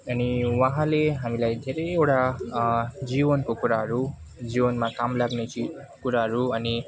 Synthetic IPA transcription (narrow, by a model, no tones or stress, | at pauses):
ʌniwʌɦãleɦamilajd̪ʱeɾʌjewʈa | d͡zibʌnkokuɾaɦʌɾu | d͡zibʌnmakamlaɡnet͡ʃʰi | kuɾaɦʌɾuʌni